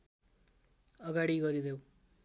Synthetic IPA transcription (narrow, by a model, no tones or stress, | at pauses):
ʌɡaɽiɡʌɾid̪ʱew